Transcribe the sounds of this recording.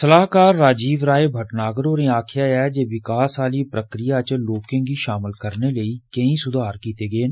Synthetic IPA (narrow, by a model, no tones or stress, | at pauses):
səlaːkaːɾːaːd͡ʒiːʋɾaːebʱəʈnaːɡəɾoːɾẽːaːkʰɪjaːɛːd͡ʒeːʋɪkaːsaːliːpɾəkɾɪjaːt͡ʃloːkẽːɡiːʃaːmɪlkəɾneləiːkəĩːsʊd̪ʱaːɾkiːt̪eːɡəeːn